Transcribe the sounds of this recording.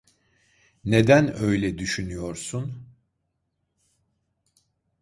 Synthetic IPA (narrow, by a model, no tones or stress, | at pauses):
ne̞d̪ænø̞jlʲɛd̪yʃynyjo̞ɾsun